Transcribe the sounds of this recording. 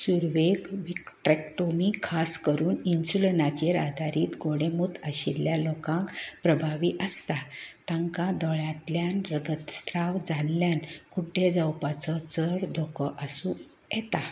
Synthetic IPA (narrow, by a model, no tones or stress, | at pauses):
suɾʋeɡʋikʈɾɛk̚ʈomikʰaskəɾuːninsulnat͡ɕeɾad̪ʱaɾiːt̪ɡoɽ̃emut̪aɕilːjalokãŋkpɾəbʱaʋiʔəst̪at̪ãŋkad̪ɔɭjat̪ljanɾəɡ̪ət̪st̪ɾawd͡zalljankuʈːed͡zəwpat͡sɔt͡səɾd̪ʱokəʔəsũ | jɛt̪a